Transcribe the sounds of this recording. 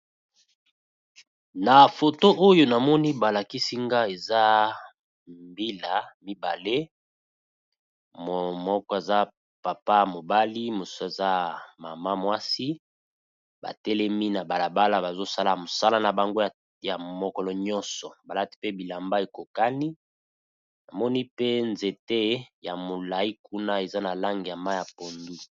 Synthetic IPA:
na˨fo˨to˦ʔo˦jo˨na˨mɔ˦ni˦ba˨la˨ki˦si˦ŋɡa˦e˨za˦ | mbi˦la˨mi˦ba̰˨le˦ | m˨mɔ˦kɔ˦e˨za˦ | pa˨pa˦mo˨ba˦li˦mo˨su˦e˨za˦ma̰˨ma˦mwa˦si˦ | ba̰˨tɛ˦lɛ˦mi˦na˨ba˨la˨ba˦la˦ba˨zo˦sa˦la˨mo˨sa˦la˦na˨ba˨ŋɡo˦˨ | ja˨mɔ˨kɔ˦lɔ˦ɲɔ̃˦nsɔ˨ba˨la˦ti̥˦pe˦bi˨la˨mba˦e˨ko˨ka˦ni˦ | na˨mɔ˦ni˦pe˦nze˨te˦ja˨mo˨la˨i˦ku˦na˦e˨za˦na˨la˦ŋɡi˨ja˨ma˦ja˨po˨ndu˦

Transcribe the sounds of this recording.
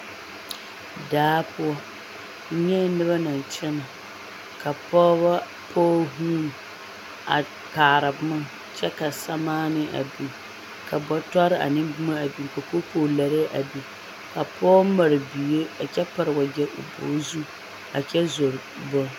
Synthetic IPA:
daː˨˦pʊ˦ɔ˦ | ɲɛ˦nɨ˦ba˦na˨n˨t͡ʃɛ˦na˨ | ka˨pɔː˦ba˦ | pʰɔː˦ɦuː˦n˨ | a̰˨ | kaː˨ɾa˨bma˦ŋ | t͡ʃɛ˦ka˨sa˦maː˦nɪ˦ʔa̰˨bi˨ŋ | ka˨bɔ˦tɔ˦ɾɪ˦a̰˨nɪ˦mbʊ˦ma˦a˨bi˨ŋ˨ko˨ko˦po˦la˨ɾɪ˦ʔa˨bi˨ | ka˨pɔː˦ma˨ɾɨ˨bi˨je˦a˨t͡ʃɛ˦pa˨ɾɨ˨wa˨ɡɛ˦ʔʊ̰˨bo̰ː˨˦zu˦ | a̰˨t͡ʃɛ˦zo˨ɾ | bɔ˦

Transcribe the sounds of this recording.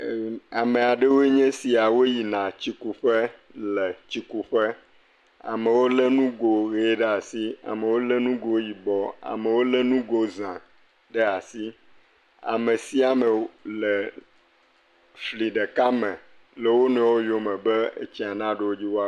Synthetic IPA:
a˨mẽ˨a˨ɖe˦wo˦ɲɛ̃˦si˨a˨wo˦ji˨nã˨t͡ɕi˦ku˨ɸɛ˦lɛ˨t͡ɕi˦ku˦ɸɛ˦ | a̰˨mẽ˨wo˦lə˦nũ˦ɡo˨ɣe˦ɖe˦a˨si˦a̰˨mẽ˨wo˦le˦nũ˦ɡo˦ji˨bɔ˨a̰˨mẽ˨wo˦le˦nũ˦ɡo˦zã˨ | ɖə˦a˨si˦ | a̰˨mẽ˨si˦a˨mɛ˨lɛ˨ | fli˨ɖe˨ka˦mɛ̃˨ | lə˨wo˦nɛ̃˨wo˦jo˨mɛ̃˨bɛ˦ḛ˦t͡ɕi˦a˨nã˦ɖe˨wo˦d͡ʑi˦wo˦a˦

